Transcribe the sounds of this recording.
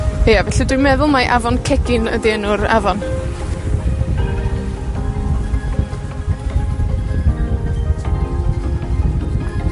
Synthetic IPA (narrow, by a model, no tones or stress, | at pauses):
ejavɛɬidujmɛðʊlˠmaʔavɔnkʰɛɡɪnə̰dinʊɾa̰vɔn